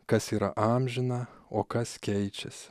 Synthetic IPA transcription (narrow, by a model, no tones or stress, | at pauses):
kɐsiːɾɐʔɑːmʲʒʲɪnɐoːkɐskʲɛɪt͡ʃʲɛs